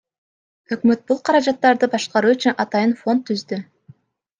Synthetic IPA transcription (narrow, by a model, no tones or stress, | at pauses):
ø̞kmø̞t̪̚bulˠqʰɑɾɑd͡ʒɑt̪ːɑɾd̪ɯbɑʃqɑɾuːyt͡ʃynɑt̪ɑjɯnfo̞nt̪ʰːyzd̪y